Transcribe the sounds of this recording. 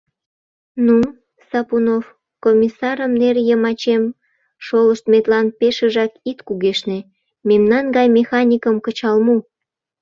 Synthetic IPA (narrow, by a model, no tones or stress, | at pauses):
nu | sɑpunof | komʲisɑɾəmnerjəmɑt͡ɕem | ʃoləʃt̪met̪lɑnpeʃəʒɑkit̪kuɣeʃne | memnɑnɡɑjmexɑnʲikəmkət͡ɕɑlmu